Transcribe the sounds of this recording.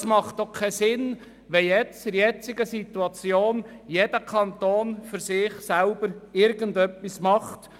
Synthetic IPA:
smɑχt̪okʰːɛsɪn | ʋɛjɛt͡sɪɾjɛt͡sɪɡəsit̪uɑt͡sjoːnjed̥əkʰɑnt̪oːnfʏɾsɪːχsɛlb̥əɾɪɾɡəndœpːismɑχt

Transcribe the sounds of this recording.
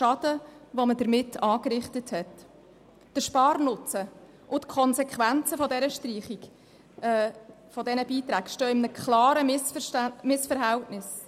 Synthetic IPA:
ʃɑd̥̪əʋɔmədəɾmɪtːɑːkɾɪχtəthɛt | d̥əʃpɑːrnʊt͡sə | ʔʊtkʰɔnsɛkʰʋænt͡səfɔdɛɾəʃtriːχik | ɛː | fɔdɛnəbiːt̪ɾæːɡʃtøːɪmnəkʰχlɑːɾəmɪsfəʃæmɪsfəɾɦæltnɪs

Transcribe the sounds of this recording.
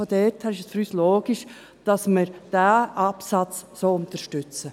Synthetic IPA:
odɛtʰhæɪʃəsfyɾyːsloːɡ̥ɪʃ | d̥ɑsməɾd̥æʔɑpsɑt͡ssoːʊnt̪əɾʃtʏt͡sə

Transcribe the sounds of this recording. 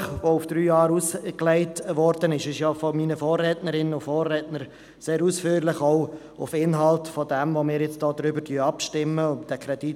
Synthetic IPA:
χʋoʊfd̥ɾyːjɑːɾusklɛɪtʋɔɾd̥ənɪʃɪʃjɑfɔmiːnəfɔːrːɛːtnəɾɪnəʊfɔːrːɛːtnəɾ | seːɾusfyːɾlɪχɔoʊ | ʊ̰fɪnɦɑltfɔdɛmvomɪːɾjɪt͡sd̥ɔːd̪ɾʏbəɾtyəɑpʃtɪmːəʊntd̥ɛkʰɾɛd̥i

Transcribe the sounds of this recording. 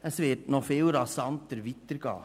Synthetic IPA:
əsʋɪtnɔfɪːlɾɑsɑntəɾʋitəɾɡ̥ɑ̰ː

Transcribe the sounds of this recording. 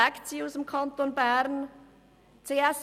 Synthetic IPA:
ɛkt͡siusəmkʰɑnt̪onbæɾn | t͡seːɛs

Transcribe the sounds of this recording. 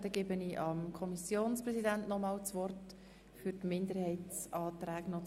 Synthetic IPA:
d̪ɛɡ̥ɪbəniʔɑmkʰɔmisjoːnspɾɛzidæntnɔmɑːlt͡sʋɔrt | fyɾtmɪnd̪əɾhɛɪtt͡sɑːt̪ɾæːknɔ

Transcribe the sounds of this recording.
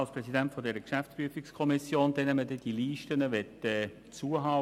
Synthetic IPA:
ɑlspɾɛzidæntfɔdɛːɾəkʃæft͡spyəfɪkskʰɔmɪsjoːnd̥̪ɛnɛmːədɛd̥iliːʃtənəʋɛtɛ | t͡suːəɦɑː

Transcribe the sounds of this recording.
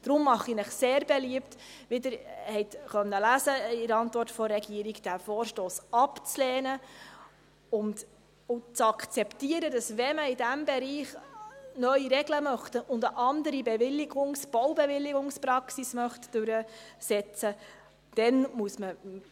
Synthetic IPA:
d̥ɾʊmːɑχinɪχseːɾbɛliəpt | ʋɪdəɾhɛɪtχœnːəlæːsəɪɾɑntvɔɾtfɔɾɛɡiəɾiɡd̥æfɔːɾʃtoːsɑpt͡slɛːnə | ʊnt | ʊt͡sɑkt͡sɛptiəɾədɑsʋɛməɪdæmbɛɾiːχnœɥiɾɛɡləmœχtʊndəʔɑndəɾibɛvɪlːɪɡʊŋsb̥ɔwbɛʋɪlːɪɡʊŋspɾɑksismœχtd̥ʉɾəsɛt͡sə | d̥ɛnmuəsmə

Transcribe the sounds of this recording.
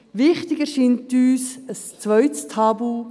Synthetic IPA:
ʋɪχtɪɡəʃɪntyːsəst͡svœʏtstʰɑːbu

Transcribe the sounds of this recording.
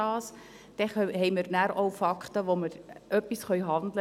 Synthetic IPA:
ɑːs | d̥ɛχhɛɪməɾnæɾowfɑkχt̪əʋoməɾœpːisχœʏɦɑnd̪lə

